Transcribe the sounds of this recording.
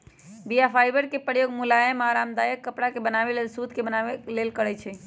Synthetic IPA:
bijapʰajbəɾkepəɾjoɡmulajəmaɾamd̪ajəkːəpɽakebənaβelelsud̪ʱkebənaelelkəɾɛt͡ʃʰɛ

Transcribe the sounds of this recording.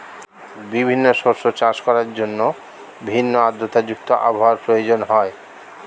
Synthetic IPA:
bibʱinːoʃoɾʃot͡ɕaʃkɔɾaɾd͡ʑonːo | bʱinːoad̪ːot̪ad͡ʑuk̚t̪oʔa̰bʱawaɾpɾojod͡ʑonɦɔe

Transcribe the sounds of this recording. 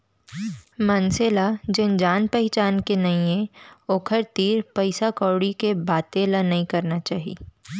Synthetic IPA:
mɐnselad͡ʒɪnd͡ʒaːnpəɦɪt͡ʃaːnkenɐĩẽoːkʰəɾt̪iːɾpɐɪsakɔːɽikebaːt̪eːlanɐɦĩkɐɾnat͡ʃaːɦḭː

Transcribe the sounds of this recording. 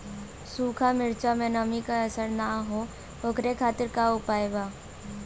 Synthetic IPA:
suːkʰamɪɾt͡ʃamẽnəmikasəɾnaɦo | okʰɾekʰaːt̪ɪɾkaʊpaːjbaː

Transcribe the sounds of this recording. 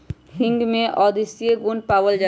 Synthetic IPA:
hɪ̃ŋɡmẽʔɔːd̪isijeɡunpaːwəld͡ʒa

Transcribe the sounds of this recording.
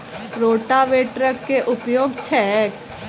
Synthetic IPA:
ɾoːʈaʋeːʈɾəkːeʔʊpjoːɡt͡ʃʰɛk

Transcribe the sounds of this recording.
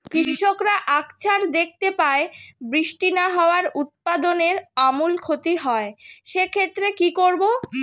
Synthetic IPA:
kɾiʃiʃokɾaʔakt͡ɕʰaɾd̪ek̚ʰt̪epaebɾiʃʈinaɦɔoaɾut̪̚pad̪oneɾamulkʰot̪iɦɔeʃekʰet̪ːɾekikoɾbo

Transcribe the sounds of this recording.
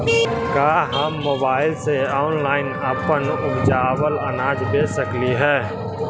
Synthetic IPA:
kaːɦəmːoːbaːɪlseɔːʊnlaːɪnəpənʊbd͡ʒaːwələnaːd͡ʒbeːsəkliɦɛː

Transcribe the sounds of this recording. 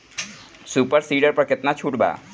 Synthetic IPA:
supəɾsiːɖəɾpəɾkɪt̪nat͡ʃʰuːʈba̰ː

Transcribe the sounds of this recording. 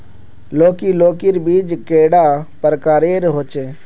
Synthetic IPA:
loːkiloːkiɾbiːd͡ʒkeːɽaːpəɾkaːɾeːɾɦoːt͡ʃeː

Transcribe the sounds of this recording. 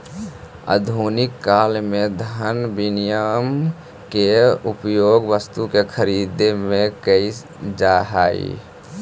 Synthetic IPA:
ə̰d̪ʱunɪkːaːlmed̪ʱənbinijam | keupjoːɡʋəst̪ukekʰəɾid̪emẽkəis | d͡ʒaɦa̰ːḭ

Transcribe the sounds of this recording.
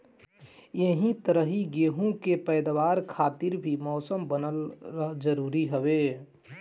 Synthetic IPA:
jeɦĩt̪əɾəɦiɡeːɦũkepɛɪd̪ʋaːɾkʰaːt̪ɪɾbʱimɔːsəmbənəlɾəɦd͡ʒəɾuːɾiɦəwe

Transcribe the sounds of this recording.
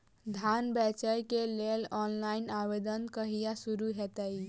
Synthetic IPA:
d̪ʱanbɛt͡ʃəjkelelɔnlainabed̪ənkəɦijasuɾuɦɛt̪əj

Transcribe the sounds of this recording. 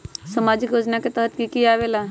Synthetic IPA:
səmad͡ʒɪkjoːd͡ʒnaket̪əɦət̪kikiaːʋela

